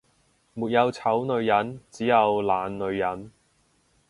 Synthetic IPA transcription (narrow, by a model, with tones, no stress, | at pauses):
muː˨t̚jɐ˨˧wt͡sʰɐ˨˥wnɵ˨˧ɥjɐ˨˥nt͡siː˨˥jɐ˨˧wlaː˨˧nːɵ˨˧ɥjɐ˨˥n